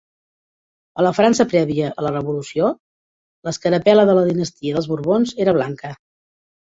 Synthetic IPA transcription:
ələfɾansəpɾɛβiəʔələrəβulusio | ləskəɾəpɛləðələðinəst̪iəðəlˠzβuɾβonzeɾəβ̞laŋkə

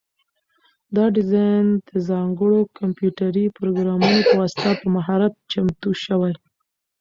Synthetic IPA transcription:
d̪ɑɖɪzɑjnd̪əzɑŋɡəɽokampjuʈaɾipɾoɡɾɑmunopəwɑsɪ̥t̪apəmaɦɑɾat̪̚t͡ʃamt̪uʃəwaj

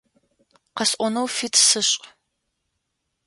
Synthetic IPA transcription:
qɐsʔʷɔnɐwfitʰsɨɕʼ

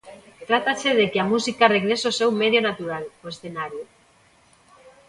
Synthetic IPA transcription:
t̪ɾat̪aseðekeamusikareɣɾesosewmeðjonat̪uɾaloesθenaɾjo

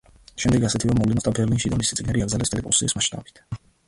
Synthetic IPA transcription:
ʃɛmd̪ɛɡasɛt̪ʰivamɔvlɛnɔsd̪abɛɾlinʃid̪amisit̪sʼiɡnɛɾiabɾzalɛst̪ʼɛɾɛpʼṵsiismaʃt̪ʼa̰bi̥t̪ʰ

